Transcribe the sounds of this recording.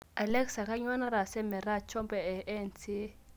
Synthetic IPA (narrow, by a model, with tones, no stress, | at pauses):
a˨lɛ˦ksa˨ka˦ɲwa˦na˦ɾa˨sɛ˦mɛ˨ɾa˦˨t͡ʃʰɔ˦mpɛ˨ɛ˨ʔɛ˦˨nt͡si˦